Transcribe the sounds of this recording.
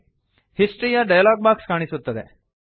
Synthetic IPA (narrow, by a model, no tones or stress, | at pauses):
hisʈɾijaɖɐjalaːɡ̚baːkskaːɳ̃isut̪ːɐd̪e